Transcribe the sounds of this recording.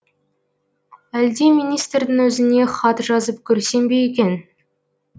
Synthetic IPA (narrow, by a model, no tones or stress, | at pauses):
æld̪e̞mijnijst̪rd̪ɪŋwɵzɪne̞χɑt̪ʒɑzəpkʲʰɵɾse̞mbe̞jekʲe̞n